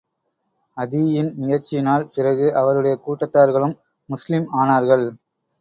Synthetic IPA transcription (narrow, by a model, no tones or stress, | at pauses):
ɐðɪjɪnmɪjɐɾt͡ʃːɪjɪnaːlpɪrɐɣɯʔɐʋɐɾɯɽɐjɐkuːʈːɐt̪ːaːɾɣɐɭɯmː | ʊslɪmaːnaːɾɣɐɭ